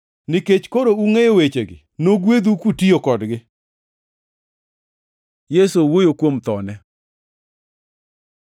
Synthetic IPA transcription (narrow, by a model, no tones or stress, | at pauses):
nɪket͡ʃkoɾouŋejowet͡ʃeɡɪ̰noɡwed̪ukutiokɔdɡɪ | jesowojokwomt̪ɔnɛ